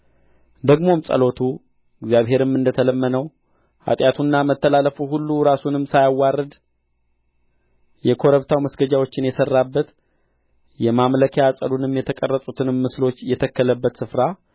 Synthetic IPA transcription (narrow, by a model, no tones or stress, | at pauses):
d̪əɡmo̞msʼə̰lo̞t̪ʰu | ɨɡzijaβɦe̞ɾɨmːɨnd̪ət̪ʰələmːənəw | ha̰t̪ʼjat̪ʰunːamət̪ʰːəlaləfuɦulːuɾasunɨmːsajawːarːɨd̪ | jɛkʰo̞ɾəβt̪ʰawməsɡəd͡ʒawo̞t͡ʃːɪnjɛsərːabːət̪ | jɛmamləkʰeasʼə̰lunɨmjɛt̪ʰəkʼərːəsʼut̪ʰɨnɨmːɨslo̞t͡ʃːjɛt̪ʰəkːələbːət̪sɨfɾa